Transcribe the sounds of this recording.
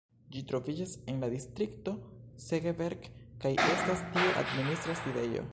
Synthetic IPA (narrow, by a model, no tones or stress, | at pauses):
d͡ʒitɾo̞vid͡ʒase̞nladistɾikto̞seɡeveɾɡkajʔe̞stastie̞ʔa̰dministɾaside̞jo̰